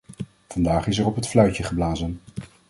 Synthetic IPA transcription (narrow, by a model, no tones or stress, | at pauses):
v̥ɑndaːχɪsɛɹɔpɦətflœɥcəχəblaːzən